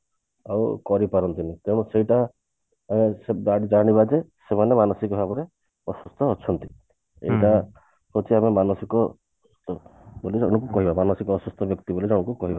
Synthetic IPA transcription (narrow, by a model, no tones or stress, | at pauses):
awkɔɾipaɾɔnt̪inik̪eɽ̃ɔ̃seɦiʈa | amesedaɽid͡ʒaɽ̃iβad͡ʒesemanemanɔsikɔbʱabɔɾe | ɔsust̪ʰɔːt͡ʃʰɔnt̪i | ḛɦiʈa | sɔt͡ʃʰiamemanɔsikɔ | st̪ʰɔbolid͡ʒɔɽ̃ũkukɔɦibamanɔsikɔːsust̪ʰɔbjɔkt̪ibolid͡ʒɔɽ̃ɔ̃kukɔɦiba